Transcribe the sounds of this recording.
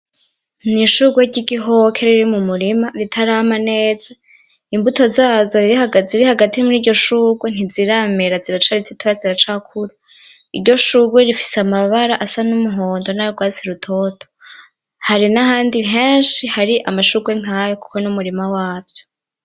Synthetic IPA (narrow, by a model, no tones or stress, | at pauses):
niʃuɡweɾɟiɡiɦokʰe̞ɾiɾimumuɾimaɾitʰaɾaːmane̞ːza | imbuto̞zaːzo̞ɾiɾihaɡaziɾihaɡatimuɾiːɾɟo̞ʃuɡwen̥iziɾameɾaziɾat͡ʃaɾit͡sitʰojaziɾat͡ʃakʰuɾa | iɾɟo̞ʃuɡweɾifi̥seamaβaɾaʔasanumuɦo̞ːndo̞najoɡwaːt͡siɾutʰo̞tʰo | haɾinaɦaːndiɦeːnʃihaɾiʔamaʃuɡwe̞ŋ̥aːjoku̥ko̞numuɾimawaːvjo̥